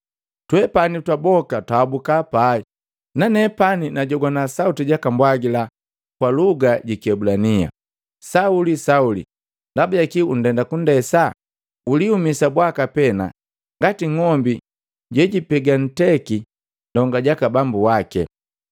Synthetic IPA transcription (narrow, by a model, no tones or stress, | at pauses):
twɛpanitwabɔkataːbukapai | nanɛpaninaɟɔɡwanasautiɟakambwaɡila | kwaluɡaɟikiɛbulania̰ | saulisaulḭ | ndabujakiun̩dɛndakundɛsa | uliumisabwakapɛna̰ | ŋɡatiŋɔmbi | ɟɛɟipɛɡan̩tɛki | dɔŋɡaɟakabambuwakɛ̰